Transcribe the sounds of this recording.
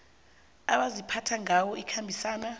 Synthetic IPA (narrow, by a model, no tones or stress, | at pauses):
aɓazipʰatʰaŋawɔikʰambʱisaːna